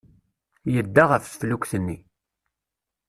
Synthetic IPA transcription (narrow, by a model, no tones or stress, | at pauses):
jəd̪ːaʁəfsflukʷθənːi